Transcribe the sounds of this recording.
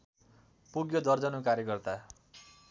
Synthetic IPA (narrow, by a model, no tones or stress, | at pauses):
puɡjod̪ʌrd͡zʌnukaɾjʌkʌrt̪a